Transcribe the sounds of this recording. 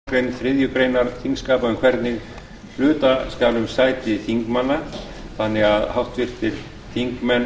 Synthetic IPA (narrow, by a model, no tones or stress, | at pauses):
kɾejnθɾɪðjʏpɾeːjnaɾθiŋkskaːpaʏmkʰvɛɾt̪nɪɣ | l̥ʏːt̪askaːlʏmsaːjt̪ɪθiŋkmanːa | θanːɪɣaðhawht̪vɪr̥t̪ʰɪl | θiŋkmɛn